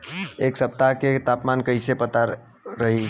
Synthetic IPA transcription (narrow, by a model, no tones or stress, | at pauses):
eksəp̚t̪aket̪apmankəɪsepət̪aɾ | ɾəɦi